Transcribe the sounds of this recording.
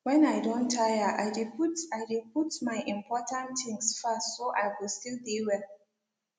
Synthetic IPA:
wɛ̃naɪdɔ̃ntʰːajəʔa̰ɪdiputaɪdiputmaɪʔĩmpʰɔtʰãnt̪ɪ̃ŋsfastsoʔaɪwilstildiwɛl

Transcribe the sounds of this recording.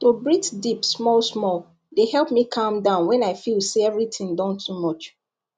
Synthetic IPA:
tobɹitdipsmɔlsmɔl | dehɛlˠpmikʰãmdãʊ̃nwɛ̃naɪfilˠseɛvɹitʰɪ̃ŋdãntʰumɔt͡ʃ

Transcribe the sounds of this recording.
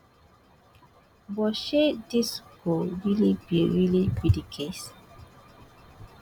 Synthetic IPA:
bɔʃediskɔɹilibiɹilibidikʰes

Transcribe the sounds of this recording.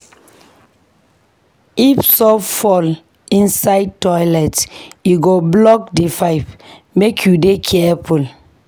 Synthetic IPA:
ifsɔfɔl | ĩnsaɪd̚tɔjlɛtjuɡoblɔk̚difaɪpmekʰjudekʰɛful

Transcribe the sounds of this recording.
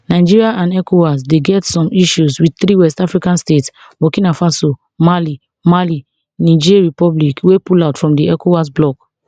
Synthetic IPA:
naɪd͡ʒiɹiaʔãnɛkʰowas̬deɡɛtsɔ̃miʃuswid̪̚θɾiwɛstafɹikãnstets | bokĩnafaso | mali | mali | nid͡ʒiɹipɔblikwepulaʊtfɹɔ̃mdiɛkowasblɔk

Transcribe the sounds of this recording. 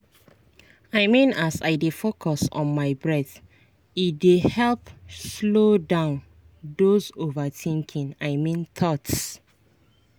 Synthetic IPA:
aɪmĩnasa̰ɪdefokʰɔsɔ̰̃nmaɪbɹɛθ | it̚dehɛlpslodãʊn | dozovətʰĩŋkʰĩŋaɪmĩnt̪ʰɔts

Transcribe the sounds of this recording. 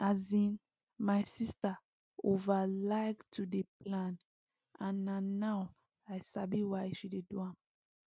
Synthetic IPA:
azĩn | majsista | ovalaɪktʰudeplãn | ãnːanːaw | ajsabiwaʃideduãm

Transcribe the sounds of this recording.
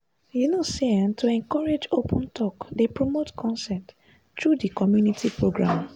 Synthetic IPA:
junoseãntʰuɛ̃ŋkɔɹed͡ʒopʰɔ̃ntʰɔkdepɹomotkʰɔ̃nsɛt | tɹudikɔmjunitʰipʰɹoɡɹã̰m

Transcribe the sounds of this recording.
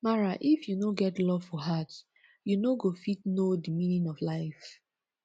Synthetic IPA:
maɹaʔifjunoɡɛtlɔv̥fɔɦat | junoɡofitnodimĩnĩnɔvlaɪf

